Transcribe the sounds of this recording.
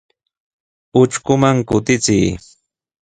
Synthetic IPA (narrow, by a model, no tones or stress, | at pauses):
ʊt͡ʃkʊmaŋkʊt̪ɪt͡sɪj